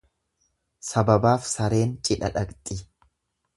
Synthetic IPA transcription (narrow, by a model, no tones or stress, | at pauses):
sɐbɐbaːfsɐɾe̞ːnt͡ʃʼɪᶑɐᶑɐkʼt̪ʼɪ